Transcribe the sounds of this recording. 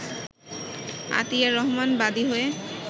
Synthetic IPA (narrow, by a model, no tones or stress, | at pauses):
a̰t̪ijaɾɔɦmanbad̪iɦoe